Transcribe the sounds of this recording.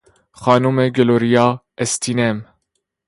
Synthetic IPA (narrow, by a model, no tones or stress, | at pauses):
xɑːnuːmeɡɛloːɾijɑː | ɛst̪ʰinɛm